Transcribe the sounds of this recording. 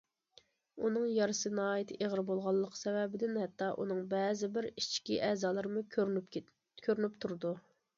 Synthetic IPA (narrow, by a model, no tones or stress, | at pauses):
unɨŋjɑɾɨsɨnɑːjit̪ʰʔeʁəɾbolˠʁɑlˠːəqʰsɛwɛbɪd̪ɪnhɛt̪ʰːɑʔṵnɨŋbɛzɪbɪɾit͡ʃkʲḭʔɛzɑːlˠɨɾmu | kʰʲøɾnypt̪ʰuɾɨd̪u